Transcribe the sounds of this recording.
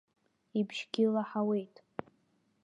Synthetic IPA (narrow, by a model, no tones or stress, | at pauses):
ibʒ̥ɡʲɪlaħawe̞jtʼ